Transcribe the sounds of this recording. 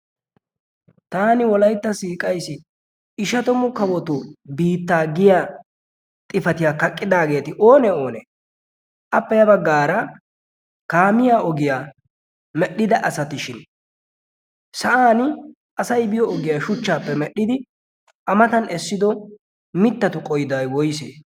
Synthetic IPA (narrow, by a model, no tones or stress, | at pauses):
t̪aːnɪwɔlɐjt̪ːɐsiːkʼɐjsɪ | ɪʃɐt̪ɔmʊkɐwɔt̪ʊbiːt̪ːaːɡɪjaː | t̪ʼɪfɐt̪ɪjaːkɐkʼːɪd̪aːɡe̞ːt̪ɪʔo̞ːnɛo̞ːnɛ̰ | ʔɐpːɛjɐbɐɡːaːɾɐ | kaːmɪjaːɔɡɪjaː | mɛɗːɪd̪ɐʔɐsɐt̪ɪʃɪn | sɐʔaːnɪ | ʔɐsɐjbɪjɔɔɡɪjaːʃʊt͡ʃːaːpːɛmɛɗːɪd̪ɪ | ʔɐmɐt̪ɐnɛsːɪd̪ɔ | mɪt̪ːɐt̪ʊkʼɔjd̪ajwɔjsḛː